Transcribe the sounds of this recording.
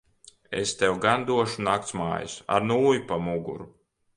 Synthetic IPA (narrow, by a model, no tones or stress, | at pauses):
ḛst̪ɛwɡand̪uɔʃunak̚t̪sma̰ːjusa̰ɾnuːjupamuɡṵɾu